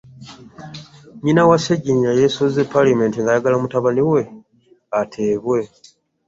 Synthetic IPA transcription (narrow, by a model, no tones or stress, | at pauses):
ɲinawaseɟiɲijajesozepːalamentiŋɡajaɡalamutaβaliwe̞ | atʰe̞ːβwe̞